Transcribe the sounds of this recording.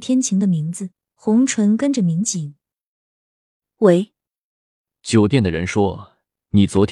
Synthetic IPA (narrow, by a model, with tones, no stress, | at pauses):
t̪ʰjɛ˥nt͡ɕʰi˧˥ŋd̪ə˧mi˧˥ŋd͡zɹ̩˧ | xʊ˧˥ŋʈ͡ʂʰwə˧˥nkə˥nʈ͡ʂə˨mi˧˥ŋt͡ɕi˨˩˦ŋ | we˧˥ɪ | t͡ɕjo˨˩ʊt̪jɛ˥˩nd̪ə˩ɻə˧˥nʂwɔ˥ | ni˨˩t͡swɔ˧˥t̪ʰ